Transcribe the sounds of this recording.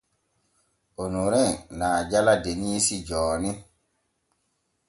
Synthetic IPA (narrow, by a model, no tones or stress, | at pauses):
onuɾɛnaːd͡ʒaladenisid͡ʒɔːni